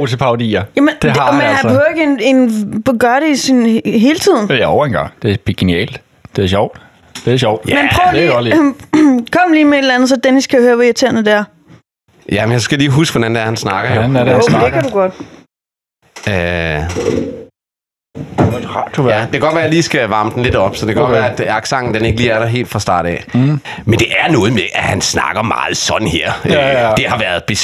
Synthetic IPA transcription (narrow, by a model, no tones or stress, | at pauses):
t͡sʰe̝pʰɑ̈ʊd̥ḭːɐjæmend̥emenænehøʊeɡ̥əene̝nbɡ̥ɶɐɾeisinɦe̝ːlət͡sʰið̰ˠn̩eɒʊɐenɡ̥ɑ̈ŋ̰d̥e̝bɡ̥e̝niɛ̰ːld̥ | d̥e̝æɐɕ̬ɒʊ̰d̥ | d̥e̝æɕɒʊ̰d̥menpʰʁœe̥ɒl | kʰɒ̽m̰liːmee̝ɾlɐlænð̞̩ˠsɒ̽d̥eniskʰæjhøːɐʋɒiɐt͡sʰe̝̰ɐnəd̥ææɐ | jæmenjaɪsɡ̥æliːɦusɡ̥ʋɒd̥ænd̥æɐhænsnɑ̈ɡ̥ɐ̥ænæɐɾendeæduɡ̥ɒd̥ | ø | hɑd̥ujæd̥ekʰæɡ̥ɒ̥ʋæːɐjliːsɡ̥æʋɑ̈məd̥n̩le̝dɒ̽b̥sɒ̽de̝kʰæɡɒ̽dʋæːɐæd̥ɑɡ̥sɑ̈ŋ̰n̩d̥ene̝ɡ̥əliːæɐɾɑɦe̝̰ːld̥fʁɑ̈sd̥ɑ̰̈ːɾ̥ɛ̰ | mend̥e̝ʔæɐnɔ̽ːð̩ˠmeʔæhænsnɑ̈ɡ̥ɐmɑ̰̈ːð̩ˠsɒ̽d̥̰n̩heɐ̰ød̥e̝hɑ̈ʋæɐðˠb̥e̝